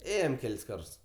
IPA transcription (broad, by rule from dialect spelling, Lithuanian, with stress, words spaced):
ˈeːjoːm ˈkʲɛlʲsʲ ˈkɐrts